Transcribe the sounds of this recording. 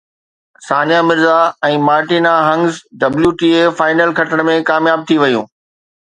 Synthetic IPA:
saːnjamɪɾzaɛ̃ːmaːɾʈiːnaɦɐ̃ŋɡzɖɐbljuʈiːefaːɪnəlkʰɐʈəɽ̃mẽkaːmjaːb̚t̪ʰiʋɐjṵ̃ː

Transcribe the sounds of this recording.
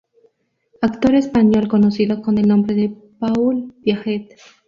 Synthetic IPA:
akt̪o̞ɾe̞spaɲo̞lko̞no̞siðokone̞lnõ̞mbɾe̞ðe̞ | paulbjaxet̪

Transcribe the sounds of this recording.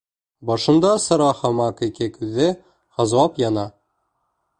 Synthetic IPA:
bɒʃɤ̆nd̪ɑsɤ̆ɾɑhɑmɑkikɘkʉðːɘ | hɤ̆zwɑpjɑnɑ

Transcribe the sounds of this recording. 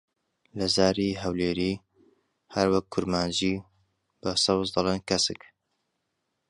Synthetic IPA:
lɐzaːɾiɦɐwleːɾiː | hɐɾwɐkʰːʊɾmaːnd͡ʒi | b̥ɐsɑwzd̪ɐlˠeːnkʰɐsɨk

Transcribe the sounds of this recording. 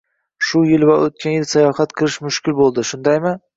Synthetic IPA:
ʃʊjɪlvaʔot̪̚kʲʰanjɪlˠsajɒhat̪qʰɨlˠɪʃmʊʃkʲɪlbolˠd̪ɪʃʊnd̪ajmɪ

